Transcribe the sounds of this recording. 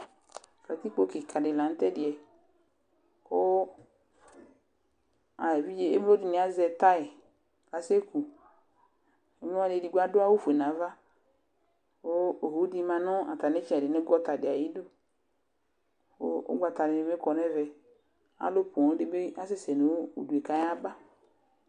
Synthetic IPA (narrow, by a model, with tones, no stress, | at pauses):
ka˨t̪i˦k͡po˦ke˨kʰa˨dɪ˨la˨n̩˦t̪ɛ˦dɪ˨ɛ˨ | o˦ | a˨vi˦d͡ʒe˦e˦m˦o˦di˨nɛ̃˨a˨zɛ˨t̪a˦ɛ˨ | ka˨se˦ku˨ | e˦mlo˦a˦de˨di˨ɡ͡ba˦do˦a˦wo˦fu˨e˨nã˨˦va˦ | o˦o˨ɦo˨˦di˦mã˨nɔ˦a̰˨ta˨nɛ˦t͡ʃi˦ɛ˨dɪ˨nɛ˦ɡɔ˦ta˨dɪ˨a˨ji˦do˦ | o̰˦o̰˦ɡ͡ba˨t̪a˨ne˨e˨˦me˦kɔ˨nɛ˦vɛ˨ | a̰˨˦lo˦po˨˦de˦be˦a˦se˦sɛ˨nu˨wṵ˨du˨e˨ka˨ja˦ba˦